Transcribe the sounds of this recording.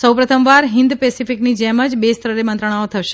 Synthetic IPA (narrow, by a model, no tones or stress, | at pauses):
səwpɾət̪ʰəmʋaɾɦɪ̃nd̪pesifiknid͡ʒɛməd͡ʒbest̪ɾəɾemə̃nt̪ɾəɽ̃aot̪ʰəʃe̥